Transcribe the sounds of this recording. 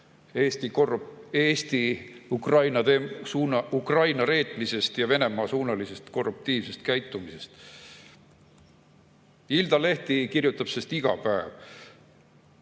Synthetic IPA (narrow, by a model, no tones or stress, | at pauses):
eːst̪ieːst̪iukrɑjnɑt̪esuːnɑukrɑjnɑɾe̞ːt̪ˑmise̞st̪jɑve̞ne̞mɑːsuːnɑlise̞st̪ko̞rːup̚t̪iːvse̞st̪̚kæjt̪ːˑumise̞st̪ | ild̪ɑle̞ht̪ikirjut̪ːˑɑb̥sest̪iɡ̥ɑ̰pæev